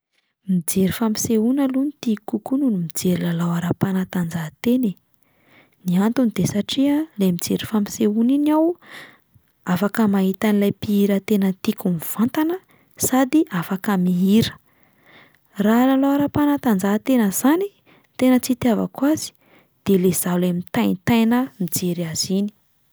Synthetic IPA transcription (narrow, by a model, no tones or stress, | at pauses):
mid͡zeɾifampi̥seunalunit̪ikukununimid͡zeɾilalawaɾapanat̪and͡zat̪ene | niant̪unid̪̥esaʈ͡ʂiəlemid͡zeɾifampi̥seuninaw | afakəmaɦit̪anilajpiiɾət̪enət̪ikuniv̥ant̪anə | sad̪iafakəmiiɾə̥ | ralalawaɾapanat̪and͡zat̪enəz̥ani | t̪enət͡sit̪iava̰kwazi̥ | d̪̥elez̥alemit̪ajnit̪ajnəmid͡zeɾaz̥ini̥